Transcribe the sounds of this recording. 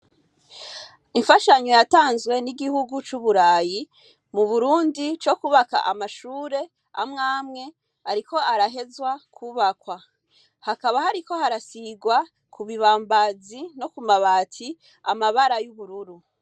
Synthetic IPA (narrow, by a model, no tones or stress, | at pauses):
iɱfaʃaɲo̞jataːnzwe̞niɡihuɡut͡ʃuβuɾaːji | muβuɾuːndit͡ʃo̞kuβaka̰ʔamaʃuːɾe̞ | amŋaːmŋe̞ | aɾiko̞aɾaɦe̞zwakʰuβakwa | hakaβahaɾiko̞haɾasiɡwa | kʰuβiβaːmbazino̞kumaβatʰi | amaβaɾajuβuɾuɾu